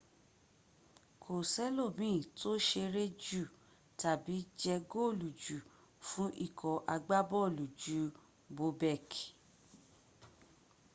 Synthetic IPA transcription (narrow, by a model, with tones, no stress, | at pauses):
kʰo˨sɛ˦lo˦˨mĩ˦˨to˦ʃe˧ɾe˦d͡ʒu˦˨ | ta˨bi˨˦d͡ʒɛ˧ɡo˦o˦˨lu˨d͡ʒu˨ | fũ˦ʔi˦˨kʰɔ˨ʔa˧ɡ͡ba˦bɔ˦o˦˨lu˨d͡ʒu˨˦ | bo˨˦bɛ˦˨k